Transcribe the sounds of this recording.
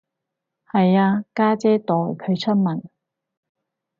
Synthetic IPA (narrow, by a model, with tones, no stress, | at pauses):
hɐ˨jaː˧kaː˥t͡sɛː˥t̪ɔː˨jkʰɵ˨˧ɥt͡ʃʰɵ˥n̚mɐ˨˩n